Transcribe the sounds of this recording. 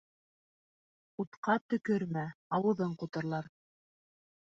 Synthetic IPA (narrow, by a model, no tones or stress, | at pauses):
ut̪qɑt̪ɵ̆kɵɾmæɑwɤ̆ðɤɴqŏt̪ɤ̆ɾlˠɑɾ